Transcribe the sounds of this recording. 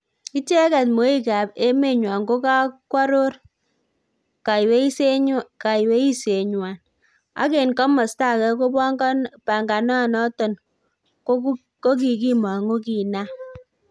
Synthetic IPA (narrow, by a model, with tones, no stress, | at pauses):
ki˦t͡ʃe˦ka˨tmo˨˦i˦ka˨be˦me˦˨ɲwa˨ŋɡo˦ka˦kwa˦ɾo˦r | ka˨jwe˦i˦se˦ɲka˨jwe˦i˦se˨ɲwa˨n | a̰˦ke˨nkɔ˦mɔ˨sta˦˨kɛ˦ko˦ba˦ŋɡpa˨ŋɡa˨na˦˨nɔ˦tɔ˨n | ko˦ | ko˦k̬i˨ki˦ma˨ŋo˦ki˨na˦